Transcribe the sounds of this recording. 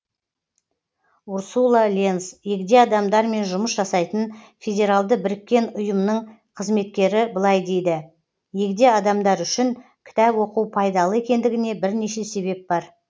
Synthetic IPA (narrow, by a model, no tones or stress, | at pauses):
uɾsulˠalʲe̞nsje̞ɡd̪e̞ɑd̪ɑmd̪ɑɾme̞nʒʊməsʒɑsɑjt̪ən | fʲe̞dʲe̞ɾalˠd̪əbɪɾɪkʲːe̞nʊjəmnəɴ | qʰəzme̞t̪̚kʲe̞ɾɪbəlˠɑjd̪e̞jd̪ɪ | je̞kd̪e̞ɑd̪ɑmd̪ɑɾʏʃɪŋ | kʲʰɪ̥t̪ɑpwo̞quwpʰɑjd̪ɑlˠəe̞kʲe̞nd̪ɪɡʲɪne̞bɪɾne̞ʃe̞se̞βe̞p̚bɑɾ